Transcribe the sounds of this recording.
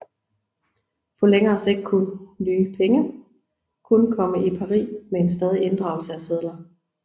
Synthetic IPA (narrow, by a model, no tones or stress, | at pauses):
pʰɒ̽leŋɐːse̝d̥̚kʰunlyːpʰeŋə | kʰunkʰɒ̽məʔipʰɑ̈ʁḭːmee̝nsd̥ɛːð̞ˠie̝nd̥ʁɑ̈ʊlsəæseð̞ˠlɐ